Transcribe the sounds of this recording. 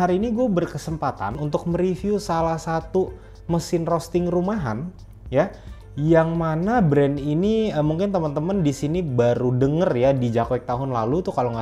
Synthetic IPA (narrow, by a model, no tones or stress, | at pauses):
aɾiniɡuɛbərkəsəmpat̪a̰nunt̪ʊk̚məɾifjusalahsat̪u | məsɪnrost̪ɪŋrumaɦa̰n | ja | jaŋmanabɾɛniniəmuŋkɪnt̪əmənt̪əməndisinibaɾudəŋərjadid͡ʒakwɛk̚t̪aɦʊnla̰lut̪ukaloŋɡa